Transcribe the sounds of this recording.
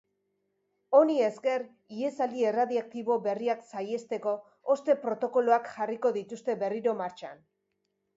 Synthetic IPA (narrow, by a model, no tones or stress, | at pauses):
o̞nie̞ske̞r | ie̞sald̪ie̞raðiak̚t̪iβ̞o̞βe̞riaksaje̞st̪e̞ko̞ː | st̪e̞pɾo̞t̪o̞ko̞loakxariko̞ðit̪ust̪e̞βe̞riɾo̞maɾt͡ʃan